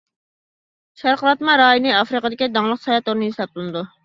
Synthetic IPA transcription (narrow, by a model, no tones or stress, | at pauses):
ʃæɾqəɾɑt̪mɑɾɑːjinɨɑfɾɨqəd̪ɪkʲid̪ɑŋlˠəqsɑjɑt̪oɾnɨɦisɑp̚t̪ulnɨd̪u